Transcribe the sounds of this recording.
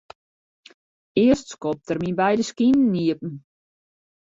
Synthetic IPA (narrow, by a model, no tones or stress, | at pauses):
ɪəstskɔp̚tərminbɛjdəskinn̩ːiəp̚n̩